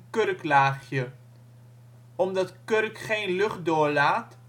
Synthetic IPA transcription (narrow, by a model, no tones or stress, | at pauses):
kørklaːχjə | ɔmdɑtkørkχejnlɵχt̚dʊːɹlaːt